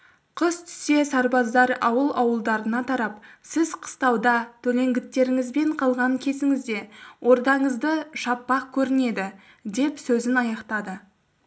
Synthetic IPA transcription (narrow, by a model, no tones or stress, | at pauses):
qʰəst̪ʰʏ̥se̞sɑɾbɑzd̪ɑɾɑwəlˠɑwəlˠd̪ɑɾənɑt̪ʰɑɾɑp̚sɪzqʰə̥st̪ɑwd̪ɑt̪ʰɵle̞ŋɡʲɪt̪ːe̞ɾɪŋɪzbe̞ɴqʰɑlˠʁɑɴkʲʰe̞sɪŋɪzd̪e̞wʔo̞ɾd̪ɑɴəzd̪əʃɑpːɑqkʲʰɵɾɪne̞d̪ɪ | d̪e̞psɵzɪnɑjɑqt̪ɑd̪ə